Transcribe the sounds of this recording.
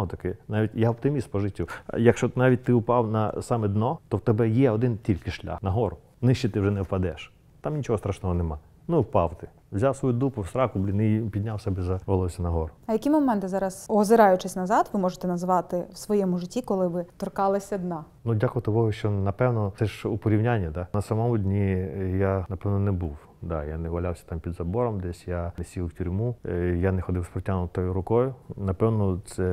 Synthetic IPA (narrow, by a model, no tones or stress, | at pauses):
ɔt̪ɐkɪnaʋʲitʲjaɔp̚t̪ɪmʲispɔʒɪtʲːijɐkʃt͡ʃɔnɑʋʲit̚ʲt̪ɪʊpɑwnɐ̰sɑmɛd̪nɔt̪ɔwt̪ɛbɛjɛɔd̪ɪntʲilʲkɪʃlʲa̰xnɐɦɔɾʊ | nɪʃt͡ʃit̪ɪwʒɛnɛwpɐd̪ɛʃ | t̪ɑmnʲit͡ʃɔɦɔst̪ɾaʃnɔɦɔnemɑ | nʊwpɑwt̪ɪ | wzʲawsʋɔjud̪upʊwst̪ɾɑkʊblʲinɪpʲid̪ʲnʲawsɛbɛzɐʋɔlˠɔsʲɐnɐɦɔɾʊɐjɐkʲimɔmɛnt̪ɪzɑɾɐsɔzɪɾɑjʊt͡ʃɪsʲnɐzɑt̪ʋɪmɔʒɪt̪ɛnɐzʋɑt̪ɪwsʋɔjɛmʊʐɪtʲːikɔlˠɪʋɪt̪ɔrkɑlˠɐsʲɐd̪nɑ | nudʲakʊɔt̪ɐkɔɦɔʃt͡ʃɔnɐpɛwnɔɛʒupɔɾʲiwnʲanʲːɐd̪anɐsɐmɔmʊdʲnʲijanɐpɛwnɔnɛbuw | d̪a̰janɛʋɐlʲawsʲɐ̥t̪ɑmpʲid̪zɐbɔɾɔmd̪ɛsʲjanɛsʲilˠwtʲuɾʲmujanɛxɔd̪ɪwspɾɔtʲanʊt̪ɔjʊɾʊkɔjʊnɐpɛwnɔsɛ